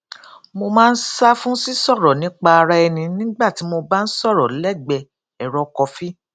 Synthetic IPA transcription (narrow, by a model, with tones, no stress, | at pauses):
mo˧mãː˦n̩˦sa˦fũ˦si˦sɔ˦˨ɾɔ˨nĩ˨˦k͡pa˧ɾa˦ɛ˧nĩ˧nĩ˦ɡ͡ba˦˨ti˨˦mo˧ba˦n̩˦sɔ˦˨ɾɔ˨˦lɛ˦˨ɡ͡bɛ˧ | ɛ˨ɾɔ˧kɔ˧fi˦